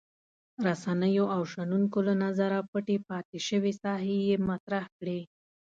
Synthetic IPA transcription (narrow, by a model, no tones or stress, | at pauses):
ɾasanəjoʔawʃanunkolanazaɾapəʈepɑt̪eʃəwesɑɦejemat̪ɾahkɽe